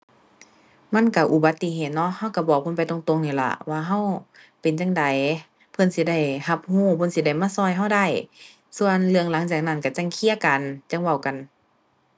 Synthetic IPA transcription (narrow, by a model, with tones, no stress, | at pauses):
ma˧˥˨nka˧˩ʔu˧˩ba˧˦t̪ːi˧˨ɦeː˨˩t̪̚nɔ˧˥˨ʔha˧˨wka˧˩bɔː˧˩k̚pʰɤ˧˥˨npa˨jt̪o˧˨ŋt̪o˧˨ŋniː˧˩la̰˧˩waː˧ɦa˧˩˨w | pe˨nt͡ɕa˧˨ŋda˨j | pʰɤ˧˥˨nsi˧˦da˧˩jha˧˦p̚huː˧˩bʰo˧˨nsi˧˦da˧˩jmaː˧˥˨sɔː˧˨jɦa˧˩˨wda˧˩˨j | su˧˨ənlɯ˧əŋla˨˦ŋt͡ɕaː˨˩k̚na˧˩nka˧˩t͡ɕa˧˩˨ŋkʰi˧˨ə˨ka˨nt͡ɕa˧˥˨ŋwa˧˩wka˨n